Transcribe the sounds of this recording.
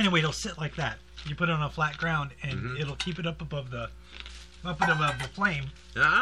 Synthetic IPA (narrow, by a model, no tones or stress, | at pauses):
ɛñiweɪɨl̩ˠsɪʔˡlaɪk̚ðæt̚jɨpʰʊɾɨɾn̩əflæt̚ɡ̥ɹãʊ̃ndɨ̃nɪɾl̩ˠkʰipɨɾʌpəbʌvðə | ʌpɨ̃ɾʌbʌvðɨflẽɪ̃m